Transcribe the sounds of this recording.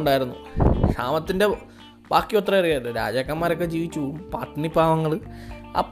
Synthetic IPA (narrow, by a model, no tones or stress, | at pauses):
ɳɖaːjiɾunːṵkʂa̰ːmɐt̪ːinde̞ | b̥aːkːjoːt̪rɐɐrijaːðɨɾa̰ːd͡ʑaːkːɐmːaːɾo̞kːed͡ʑiːʋit͡ɕːuumpaːʈːɐnibʱaːʋɐŋːɐɭɨɐ̰pː